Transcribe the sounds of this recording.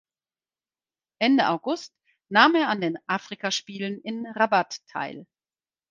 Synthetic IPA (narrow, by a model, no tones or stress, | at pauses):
ʔɛndəʔaʊɡʊst | naːmeːɐandeːnʔaːfʁ̥ikaʃpiːlənɪnʁabatʰːa̰ɪl